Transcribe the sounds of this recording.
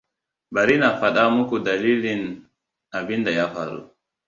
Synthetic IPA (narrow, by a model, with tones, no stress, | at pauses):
ba˨ɾi˦na˨fa˨ɗa˦mu˦ku˨da˨li˦li˨n | a˨bi˦nda˨ja˦fa̰˨ɾṵ˨